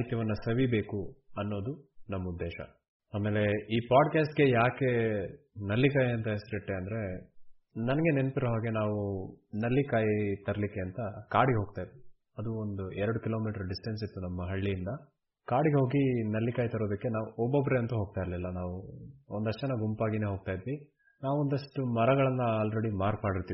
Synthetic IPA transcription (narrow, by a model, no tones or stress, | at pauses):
ɦit̪jɐʋɐnːɐsɐʋibe̞ːkuɐnːo̞ːd̪unɐmːɐud̪ːeːʃɐ̰ | aːmeːle̞iːpaːɖkaːsʈɡe̞jaːke̞nɐlːikaːjɐnt̪ɐesɾiʈːeɐnd̪ɐɾe̞ | nɐnɐɡe̞nent̪iɾoɦaːɡe̞naːʋunɐlːikaːjit̪ɐɾɐlikːeɐnt̪ɐkaːɽiɡeɦoːɡ̚t̪aːjd̪ | ɐd̪uond̪uɛɾɐɽukilo̞ːmiːʈɐɾɖisʈɐns̬it̪ːunɐmːɐɦɐɭːijːnd̪ɐ | kaːɽiɡeɦo̞ːɡinɐlːikaːjit̪ɐɾo̞ːd̪ɐkːe̞naːʋuɔbːobːɾeɐnt̪ɐɦo̞ːɡ̚t̪aːiɾɐlilːɐnaːʋuond̪ɐʂɐnːɐɡumpaːɡine̞ːɦo̞ːɡ̚t̪aːjd̪ʋi | naːʋuond̪ɐʂʈumɐɾɐɡɐɭɐnːɐaːlɾeɽimaːɾkmaːɽiɾt̪iːʋi